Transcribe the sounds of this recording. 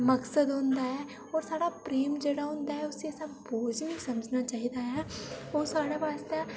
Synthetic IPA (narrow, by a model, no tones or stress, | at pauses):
məksəd̪ɦʊ̃nd̪aːɦɛː | ɔːɾsaːɽaːpɾeːmd͡ʒeːɽaːɦʊ̃nd̪aːɦɛːʊsesaboːd͡ʒnĩːsəməd͡ʒnaːt͡ʃaːɦiːd̪aːɦɛːoːsaːɽaːʋaːst̪eː